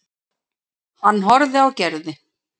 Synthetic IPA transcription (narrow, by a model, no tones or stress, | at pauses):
hanːɦɔɾðɪawcɛɾðɪ